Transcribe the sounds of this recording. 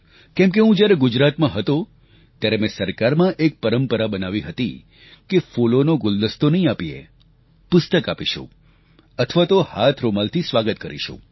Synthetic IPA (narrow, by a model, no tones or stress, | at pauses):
kɛ̃mk̬eɦũd͡ʒjaɾeɡʊd͡ʒɾat̪mãɦət̪o | t̪jaɾemẽsəɾkaɾmãʔek̚pəɾəmpəɾabənaʋiɦət̪ḭ | kefolonoɡʊld̪əst̪onəɦĩapiḛ | pʊst̪əkapiʃṵ̃ | ət̪ʰəʋat̪ohat̪ʰɾomalt̪ʰisʋaɡət̪̚kəɾḭʃṵ̃